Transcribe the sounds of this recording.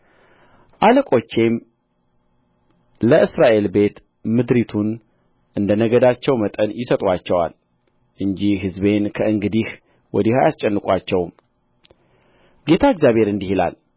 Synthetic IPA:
ʔaləkʼo̞t͡ʃːe̞m | ləʔɨsɾaʔe̞lbe̞t̪ | mɨd̪ɾit̪ʰun | ʔɨnd̪ənəɡəd̪at͡ʃːɛwmət̪ʼənjɪsət̪ʼwat͡ʃːɛwa̰l | ʔɨɲd͡ʒihɦɨzbe̞nkʰəʔɨŋɡɨd̪ih | wɔd̪ihajast͡ʃʼɛnːɨkʼat͡ʃːɛwm | ɡe̞t̪ʰaɨɡzjaβhe̞ɾɨnd̪ihila̰l

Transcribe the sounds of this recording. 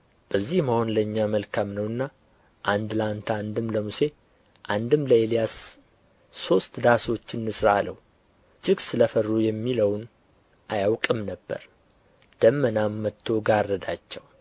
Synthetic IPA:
b̥əzːihmaho̞nləɨɲːaməlkʰamnəwɨnːa | ʔand̪lant̪ʰaand̪ɨmləmuse̞ | ʔand̪ɨmləelijasː | o̞st̪d̪aso̞t͡ʃːɨnːɨsɾaaləwu | d͡ʒɪɡsɨləfərːujɛmːiləwn | ʔajawkʼɨmnəbːə̰ɾ | d̪̥əmːənamːət̪ʰːo̞ɡarːəd̪at͡ʃːɛw

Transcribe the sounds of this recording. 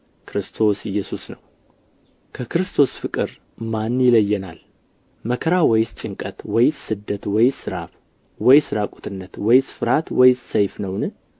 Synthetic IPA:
kʰɾɨst̪ʰo̞sɪjːɛsusnəw | kʰəkɨɾɨst̪ʰo̞sfɨkʼɨɾ | manːjɪləjːɛnal | məkʰəɾawɔjst͡ʃʼɪŋkʼət̪wɔjssɨd̪ːət̪wɔjsɨɾa̰β | wɔjsɨɾakʼut̪ʰɨnːət̪wɔjsfɨɾat̪wɔjssəjfnəwnɨ

